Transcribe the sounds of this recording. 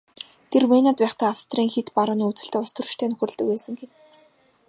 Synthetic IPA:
t̪ʰermenat̪pæːχt̪æːawst̪ʰriːŋxet̪paɾʊːniːut͡sɘ̆ɬt̪̆ːʊst̪ɵ̆rt͡ɕt̪ʰeːnɵxʲɘ̆r̆ɮt̪ɵ̆kpeːsɘ̆ŋɡen

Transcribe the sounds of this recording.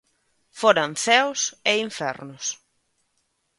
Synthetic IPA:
foɾanθɛwseiɱfɛ̰rnʊs

